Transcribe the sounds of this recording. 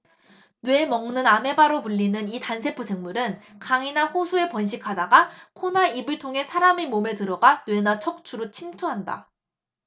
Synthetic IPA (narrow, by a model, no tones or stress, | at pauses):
nwe̞mʌŋnɯname̞baɾopuʎːinɯnitansʰe̞pʰosʰeŋmuɾɯnkaŋinaɸosʰue̞pʌnɕ̬ʰikʰadaɡakʰonaibɯɭtʰoŋɦe̞sʰaɾamimome̞tɯɾʌɡanwe̞nat͡ɕʰʌk̚t͡ɕʰuɾot͡ɕʰimtʰoɦanda̰